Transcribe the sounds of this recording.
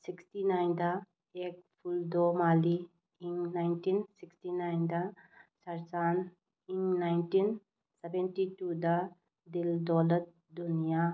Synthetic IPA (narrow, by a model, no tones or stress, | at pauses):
siksʈinajnd̪a | ek̚pʰuld̪omaːli | iŋnajnʈinsiksʈinajnd̪asɐɾt͡ʃan | iŋnajnʈin | sebenʈiʈud̪a | d̪ild̪ɔləɾ | d̪unija